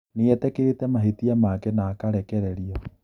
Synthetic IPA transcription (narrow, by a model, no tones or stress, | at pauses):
neɛtɛketɛmaɦetiamakɛnaːkaɾɛkɛɾɛɾiɔ